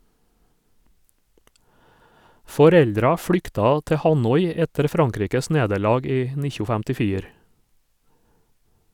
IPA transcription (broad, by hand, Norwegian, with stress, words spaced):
fɔˈɾɛldɾɑ ˈfɽʏktɑ ˈtɛ ˈhɑnɔʏ ˈɛtəɾ ˈfɾɑŋˌkɾiːkəs ˈneːdəɾˌlɑːɡ ˈiː ˈnɪçʊ fɛmtɪˈfiːɾ